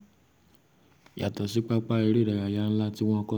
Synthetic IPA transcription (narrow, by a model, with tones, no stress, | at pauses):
ja˨tɔ˨si˨˦k͡pa˦k͡pa˦i˧ɾe˦˨da˨ɾa˨ja˨˦n̩˦la˦ti˦w̃ɔ̃˦˧kɔ˦